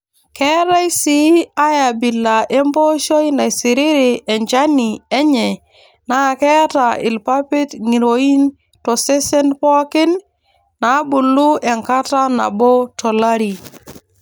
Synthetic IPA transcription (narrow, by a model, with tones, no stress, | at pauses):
kɛ˦ɾa˦jsi˦a˦ja˨bi˨lːa˨ʔe˦mbo˦ʃo˦jna˨jsi˨ɾi˦ɾi˨e˨ɲt͡ʃa˦ni˨e˦ɲɛ˨ | na˦˨kɛ˦ta˨ɪ̰˨lpa˦pɪ˦tŋi˨ɾo˨i˦n | tɔ˨se˦sɛ˦npɔ˦kɪ˦n | na˨˦bu˨lːu˦e˨ŋka˦ta˦na̰˨bo˦to˨la˦ɾi˨